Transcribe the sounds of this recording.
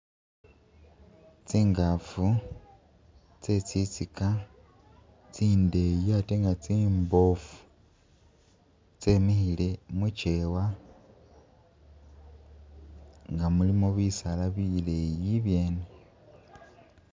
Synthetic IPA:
t͡siːŋɡafu | t͡se̞t͡sit͡sika | t͡siːnde̞jateŋɡat͡siːmbo̞fu̥ | t͡semixile̞mut͡ʃewa | ŋɡamulimoβisalaβilejiβje̞ːne

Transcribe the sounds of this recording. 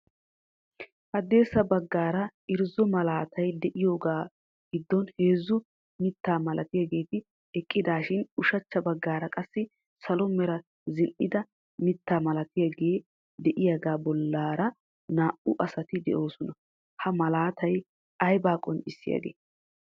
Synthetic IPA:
hɐd̪e̞ːsɐbɐɡːaːɾɐɪɾzɔmɐlaːt̪ʰɐjd̪ɛʔɪjo̞ːɡaː | ɡɪd̪ːɔnhe̞ːzːʊ | mɪt̪ːaːmɐlʔɐt̪ɪjɐɡe̞ːt̪ɪ | ɛkʼːɪd̪aːʃɪnʊʃɐt͡ʃːɐbɐɡːaːɾɐkʼɐsːɪ | sɐlɔmɛɾɐ | zɪnʔɪd̪ɐ | mɪt̪ːaːmɐlɐt̪ɪjɐɡeː | d̪ɛʔɪjɐɡaːbɔlːaːɾɐ | naːʔʊʔɐsɐt̪ɪd̪ɛ̰ʔo̞ːsɔnɐ | hɐmɐlaːt̪ʰɐj | ɐjbaːkʼɔnt͡ʃʼɪsːɪjɐ̰ɡḛː

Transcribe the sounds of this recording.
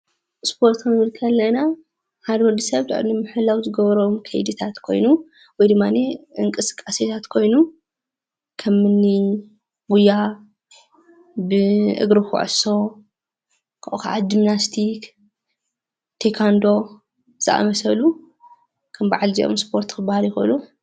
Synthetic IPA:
spʰo̞ɾt̪ɨnβɨlkʰɐlːɐna | had̪mɨɾd̪ɨsɐβt̪ʰɨ̰ʕʔɨ̰ɾnɨmːɨħɨlːawzɨɡɐβɐɾomkʰɐ̰jd̪ɨt̪ʰat̪kʰo̞̰jnu | wɔjd̪ɨmːaneʔɨŋkʼɨsɨ̥kʼːaset̪ʰat̪kʰo̞jnu | kʰɐmːɨnːi | wuja | bɨʔɨ̰ɡɾɨxṵʕɨ̰so̞ | kʰaʔuka̰ʔa̰d̪imnast̪ʰik | t̪ʰekʰand̪o̞ | z̥ɨʔa̰mɐsɐlu | kʰɐmbaʕalziʔo̰mspʰo̞ɾt̪kʰɨbahaljɪxo̰lu

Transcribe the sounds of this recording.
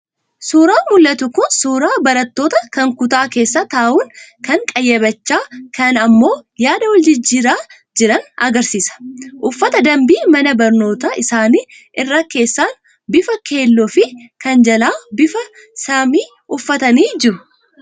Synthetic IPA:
suːɾaːmʊlːɐt̪ʊkʊnsuːɾaːbɐɾɐt̪ːo̞ːt̪ɐkɐŋkʊt̪aːke̞ːsːat̪aːʔuːŋkɐŋkʼɐjːɐbɐt͡ʃːaːkɐnɐmːo̞ːjaːd̪ɐwɐld͡ʒɪd͡ʒːiːɾaː | d͡ʒɪɾɐnɐ̰ɡɐɾsiːsɐ̥ʔʊfːɐt̪ɐd̪ɐmbiːmɐnɐbɐɾno̞ːt̪aʔɪsaːniː | ʔɪrːɐke̞ːsːaːn | bɪfɐke̞ːlːoːfɪkɐnd͡ʒɐlaːbɪfɐ | samiː | ʔʊfːɐt̪ɐniːd͡ʒɪɾʊ

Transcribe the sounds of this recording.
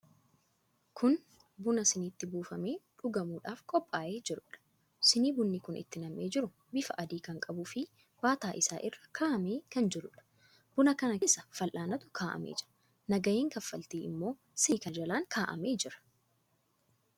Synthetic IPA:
kʰʊn | bʊnɐsɪniːt̪ːɪbuːfɐmeːᶑʊɡɐmuːᶑaːfkʼɔpʼːaːʔe̞ːd͡ʒɪɾʊᶑɐ̥ | sɪniːbʊnːɪkʊnʔɪ̰t̪ːɪnɐmːeːd͡ʒɪɾʊ | bɪfɐʔɐd̪iːkɐŋkʼɐbʊfɪ | waːt̪aːʔɪsa̰ːʔɪrːɐ̥kʰaːʔɐmeːkɐnd͡ʒɛɾʊᶑɐ̥ | b̥ʊnɐkɐnɐsɐfɐlʔaːnɐt̪ʊ̥kʰaːʔɐ̰mḛːd͡ʒ̥ | nɐɡɐjeːŋkɐfːɐlt̪iːɪmːo̞ː | sɪkɐd͡ʒɐlaːŋkʰaːʔɐ̰me̞ːd͡ʒɪɾɐ̥

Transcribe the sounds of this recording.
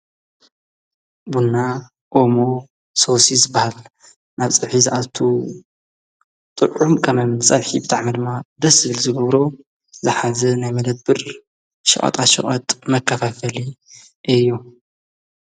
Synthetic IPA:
bunːa | ʔomo | sosizɨbːahal | naβt͡sʼɨβħizɨʔat̪ʰu | t̪ʼɨʕumkʰɐmɐmsʼɐβħibɨt̪ʼaʕmid̪ɨmːad̪ɐsɨβɨlzɨɡɐβɾo̞ | zɨħazɐnajmɐd̪ɐd̪̚bɨɾ | ʃɨ̰χʼɐ̰t̪ʼaʃɨ̰χʼɐ̰t̪ʼmɐkʰːɐfafɐli | ʔɨjːu

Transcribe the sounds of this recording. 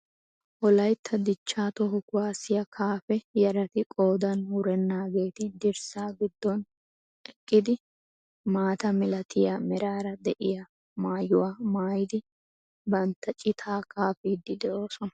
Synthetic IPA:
ʔɔlɐjt̪ʰːɐd̪ɪt͡ʃːaːt̪ɔɦɔkʊwaːsɪjɐkʰaːfɛjɐɾɐt̪ɪkʼo̞ːd̪ɐnhʊɾɛnːaːɡeːt̪ɪd̪ɪɾsaːɡɪd̪ːɔn | ɛkʼːɪd̪ɪ | maːt̪ɐmɪlɐt̪ʰɪjɐmɛɾaːɾɐd̪ɛʔɪja | maːjʊwaːmaːjɪd̪ɪ | bɐnt̪ːɐt͡ʃʼɪt̪ʰaːkʰaːfiːd̪ːɪd̪ɛo̞ːsɔnɐ̥

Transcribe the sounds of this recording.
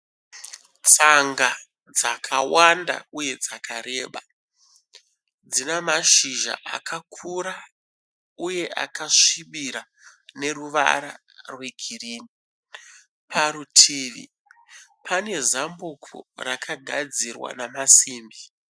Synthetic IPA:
t͡saŋɡa | d͡zakʰawanda̰uje̞d͡zakʰaɾeːɓa | d͡zinemaʃiʒa̰ʔa̰kʰakʰuɾa | uje̞ʔa̰kaʂiɓiɾa | ne̞ruʋa̰ɾa̰ | rwe̞ɡʱiriːni | pʰaɾutʰiːʋḭ | pʰane̞zambukʰo̰rakʰaɡʱad͡zirwa̰namasiːmbi

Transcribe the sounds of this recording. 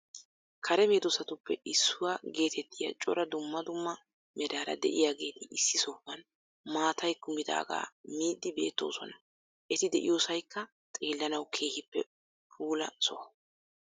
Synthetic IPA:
kʰɐɾɛmeːd̪ɔsɐt̪ʊpːɛ̰ɪsːʊwaːɡe̞ːt̪ʰɛt̪ːɪjɐ̰t͡ʃʼɔɾɐd̪ʊmːɐd̪ʊmːɐ | mɛd̪aːɾɐ̰d̪ɛ̰ʔɪjaɡe̞ːt̪ɪɪsːɪsɔfːɐn | maːt̪ɐjkːʊmɪd̪a̰ːɡa̰ːmiːd̪ːɪbe̞̰ːt̪ːo̞̰ːsɔ̰nɐ | ʔɛt̪ɪd̪ɛʔɪ̰joːsɐjkːɐ | t̪ʼe̞ːlːɐnɐwkʰe̞ːhɪpːɛ̰ | pʰuːlɐ̰sɔɐ

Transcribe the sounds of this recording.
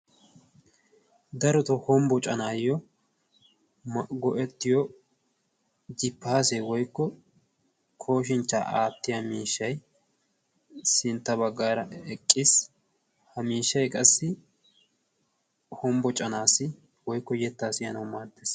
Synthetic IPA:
d̪ɐɾɔt̪ɔhɔmbɔt͡ʃʼɐnaːjɔ | mɐɡɔʔɛt̪ːɪjɔ | d͡ʒɪpːaːsewɔjkːɔ | kʰo̞ːʃ̬ɪnt͡ʃːa̰ʔaːt̪ːɪjamiːʃːɐj | sɪnt̪ːɐbɐɡːaːɾɐʔɛkʼːɪs | hɐmiːʃːɐjkʼɐsːɪ | hɔmbɔt͡ʃʼɐnaːsɪ | wɔjkːɔjɛt̪ːaːsɪjɐnɐwmaːɾt̪ːeːs

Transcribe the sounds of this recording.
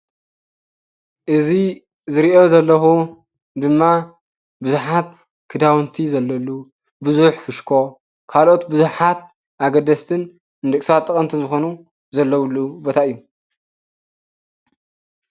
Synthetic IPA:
ʔɨzi | zɨɾiʔo̞zɐlːɐxu | d̪ɨmːa | bɨzuħat̪̚ | kʰɨd̪awnt̪ʰizɐlːɐlːu | bɨzuħfɨʃkʰo̞ | kʰalʔo̞t̪bɨzuħat̪̚ | ʔaɡɐd̪ɐst̪ʰɨn | ɨnd̪ɨkʼsat̪ʼːɨkʼɐnt̪ʰizɨxo̞nu | zɐlːɐwlːubot̪ʰaʔɨjːu

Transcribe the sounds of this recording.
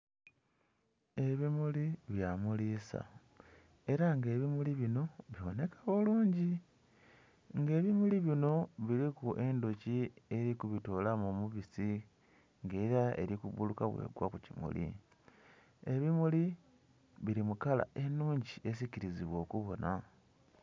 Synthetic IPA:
e̞βimuliβjamuliːsa̰ | e̞ɾaŋɡe̞ːβimuliβino̞βjiβone̞kḁβoluːɲɟi | ŋɡe̞ːβimuliβino̞βiɾikuʔe̞ndo̞cie̞ɾikuβito̞ːlamomuβisi | ŋɡe̞ːɾaḛɾikuβulukaβwe̞̰ːɡwa̰kucimṵlḭ | e̞βimuli | βiɾimukala̰ʔe̞nuːɲɟie̞s̬iciɾiziβwo̞ːkuβo̞nʔa

